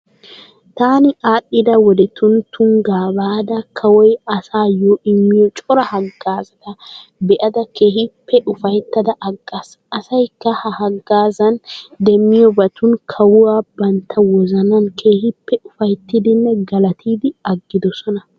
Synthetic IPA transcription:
t̪aːnɪʔaːɗːɪd̪ɐwɔd̪ɛt̪ʊnt̪ʊŋɡaːbaːd̪ɐkʰɐwɔjɐsaːjoːɪmːɪjɔt͡ʃʼɔɾɐhɐɡːaːzɐd̪ɐbɛʔɐd̪ɐkeːhɪpːɛʔʊfɐjt̪ːɐd̪ɐʔɐɡːas | ɐsɐjkːɐhɐhɐɡːaːzɐnd̪ɛmːɪjɔbɐt̪ʊnkʰɐwʊwaːbɐnt̪ʰːɐwɔzɐnɐnkʰe̞ːhɪpːɛʊfɐjt̪ːid̪ɪnːɛɡɐlɐt̪ʰiːd̪ɪɐɡːɪd̪ɔsɔnɐ

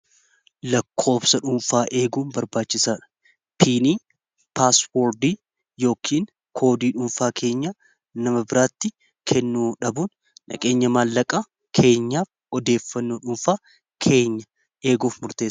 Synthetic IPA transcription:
lɐkʰːo̞ːbsɐᶑʊmfaːʔe̞ːɡuːnbɐɾbaːt͡ʃːɪsaːᶑɐ̥ | pʰiːniː | paːswoːɾd̪iː | jo̞ːkʰiːŋ | kʰo̞ːd̪iːᶑʊɱfaːkʰe̞ːɲːa | nɐmɐbɪɾaːt̪ːɪ | kʰɛnːuːᶑɐbuːn | nɐ̰kʼe̞ːɲːɐmaːlːɐkʼɐ | kʰe̞ːɲːaːf | ɔd̪e̞ːfːɐnːoːᶑʊmfaː | kʰe̞ːɲːɐ | ʔe̞ːɡuːfmʊɾt̪e̞ːsɐ̥

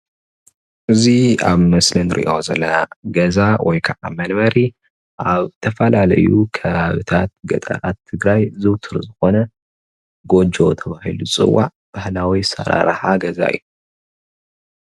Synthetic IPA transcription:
ʔɨzia̰βmɐslɨnɾʔḭʔo̞zɐlːɐnaɡɐzawʔɔ̰jkʰɐʔa̰mɐnβɐɾi | ʔaβt̪ʰɐfɐlalɐ̰jukʰɐβaβɨt̪ʰat̪̚ɡɐ̰t̪ʼɐ̰ɾat̪ʰːɨɡɾajzɨwt̪ʰɨɾzɨxo̞nɐ | ɡo̞d͡ʒo̞t̪ʰɐβahilut͡sʼɨ̰wːa̰ʕ | b̥ahlawisɐ̰ɾa̰ɾħaɡɐza̰ɨ̰jːu

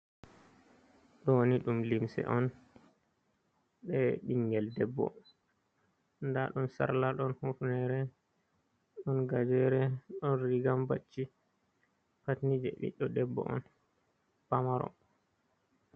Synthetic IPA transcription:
ɗɔwoniɗumlimsɛ̰ʔɔn | ɓɛɗiŋɡɛldɛbːɔ̰ | ndaɗumsa̰ɾlaɗɔnhufnɛɾɛ | ɗɔnɡad͡ʒɛɾɛɗɔnɾiɡambat͡ʃːi | patnid͡ʒɛ̰ʔḭɗɔdɛbːɔ̰ʔɔ̰n | pamaɾɔ̰

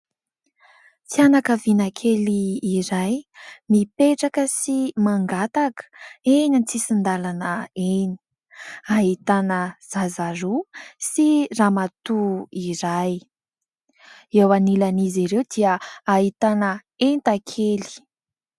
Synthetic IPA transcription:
t͡sianakəvinakʰeliːɾajmipeʈ͡ʂakəsimaŋɡat̪akə̥enit͡sisind̪alanəeni̥ | aɦit̪anəz̥azaɾusiramat̪uiɾaj | ewanilaniziɾewd̪iəaɦit̪anə | ent̪akʰeli̥

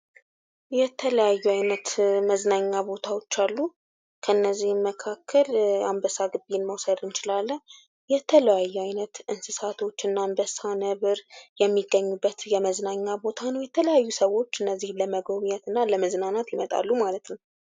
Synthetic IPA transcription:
jɛt̪ʰələjajːuajnət̪məznaɲːabo̞t̪ʰawo̞t͡ʃːalːu | kʰəɨnːəzːihməkʰakːəlambəsaɡɨbenməwsəd̪ɨnt͡ʃɪlalːə | jɛt̪ʰələjajːuajnət̪ʔɨnsɨsat̪ʰo̞t͡ʃːɨnːambəsanəβɨɾjɛmːiɡːəɲːubːət̪jɛməznaɲːabo̞t̪ʰanəwjɛt̪ʰələjajːusəwo̞t͡ʃːɨnːəzːihləməɡomɲɛt̪ɨnːaləməznanat̪jɪmət̪ʼa̰lːumalət̪nəw

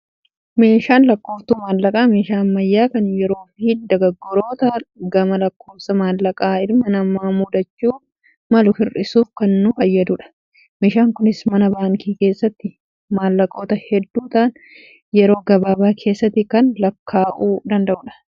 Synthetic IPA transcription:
me̞ːʃaːnlɐkːo̞ːft̪uːmaːlːɐkʼaːme̞ːʃaːɐmːɐjːaːkɐnjɛɾo̞ːfiːd̪ɐɡɐɡːɔɾo̞ːt̪ɐɡɐmɐlɐkːo̞ːfsɐmaːlːɐkʼaːɪɾmɐnɐmːaːmʊd̪ɐt͡ʃːuː | mɐlʊfɪrɪsuːfkɐnːʊfɐjːɐd̪uᶑɐ̥ | me̞ːʃaːŋkʊnɪsmɐnɐbaːŋkʰiːke̞ːsːɐt̪ːɪ | maːlːɐkʼo̞ːt̪ɐhɛd̪ːuːt̪aːn | jɛɾo̞ːɡɐbaːbaːkʰe̞ːsːɐt̪ːɪkɐnlɐkʰːaːʔuːd̪ɐnd̪ɐʔʊːᶑɐ̥

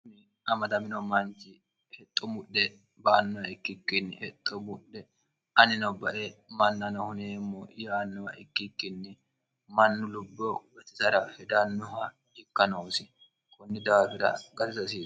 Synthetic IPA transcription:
nɪ | ʔɐmɐd̪ɐmɪnɔmɐnt͡ʃɪ | hɛt̪ʼːɔmʊɗɛ | baːnːɔɐɪkːɪkːɪnːɪhɛt̪ʼːɔmʊɗɛ | ʔɐnɪnɔbɐʔemɐnːɐnɔhʊneːmːoʔɪjaːnːɔwɐ̰ʔɪ̰kːɪkːɪnːɪ | mɐnːʊlʊbːoɡɐt̪ɪ̥sɐɾɐhɛd̪anːʊhɐ | d͡ʒɪkːɐnoːsɪ | kʊnːɪd̪aːfɪɾɐ̰ɡɐt̪ɪsɐsiː

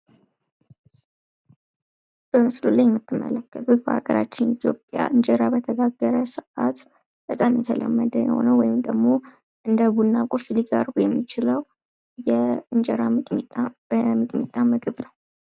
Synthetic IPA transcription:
b̥əmɨslulajɛmːɨt̪ʰːɨmːə̰ləkːət̪ʰut̪bəha̰ɡəɾa̰t͡ʃːɪnit̪ʰjo̞pʼːja̰ʔɨɲd͡ʒəɾabət̪ʰəɡaɡːəɾəsɨʔat̪ | b̥ət̪ʼamjɛt̪ʰələmːəd̪əjɛ̰ho̞̰nəwɔjɪmd̪əɡmo̞ | ʔɨnd̪əbunːakʼʊɾsliɡa̰ɾɡujɛmːit͡ʃɪləw | jɛɨnd͡ʒɛɾa | əmɨt̪ʼmit̪ʼːamɨɡɨβnəw

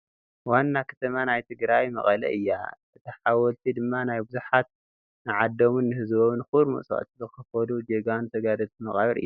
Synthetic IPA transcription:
wanːakʰɐ̥t̪ʰɐmanajt̪ʰɨɡɾajmɐ̰χʼɐlɐ̰ʔɨjːa̰ʔɨt̪ʰɐħawɔlt̪ʰid̪ɨmːanajbuzuħat̪̚ | nɨʕad̪ːomunːɨhɨzboβnxuɾmɨ̰ʔsʼa̰ʔt̪zɨxɨfɐd̪ud͡ʒeɡant̪ʰɐɡad̪ɐt̪imɐχʼaβɐɾʔɨ̰jːu

